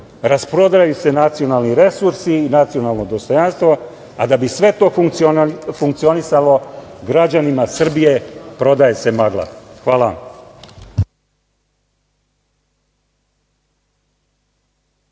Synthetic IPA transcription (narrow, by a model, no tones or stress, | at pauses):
ɾaspɾo̞d̪ɾaajuse̞nat̪sijo̞nalˠniɾe̞suɾsiːnat̪sio̞nalˠno̞d̪o̞st̪o̞janst̪ʋo̞ | ad̪abisʋe̞t̪o̞ː | fuŋk̚t̪sio̞nisalo̞ɡɾad͡ʑanimasr̩bije̞pɾo̞d̪ajese̞maɡlˠa̰xʋaːlaʋa̰m